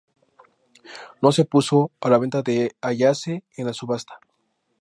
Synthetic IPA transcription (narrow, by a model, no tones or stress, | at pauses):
no̞se̞puso̞alaβe̞nt̪aðeaʝaseenlasuβast̪ḁ